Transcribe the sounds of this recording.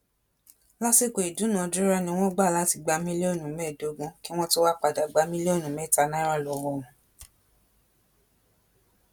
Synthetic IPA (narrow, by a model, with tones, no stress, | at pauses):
la˦si˦ko˨i˨du˨˦nã˨˦du˦ɾa˦nĩ˧˦w̃ɔ̃˦ɡ͡ba˦˨la˨˦ti˧ɡ͡ba˧˦mĩ˦le˦o˦˨nũ˨mɛː˦˨do˨˦ɡũ˦ki˦w̃ɔ̃˦to˦wa˦k͡pa˧da˨ɡ͡ba˧˦mĩ˦le˦o˦˨nũ˨mɛ˦˨ta˧˦nã˦ɾa˦˨lɔ˨wɔ̃˧ũ˨